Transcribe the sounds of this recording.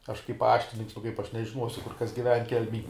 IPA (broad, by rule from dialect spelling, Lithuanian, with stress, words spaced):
ˈɐʃ kɐɪp ˈpɑːʃʲtʲɪnʲɪŋks nʊ kɐɪp ˈɐʃ nʲɛʒʲɪˈnuɔsʲʊ ˈkʊr ˈkɐs ɡʲɪˈʋʲɛn ˈkʲɛlʲmʲɛj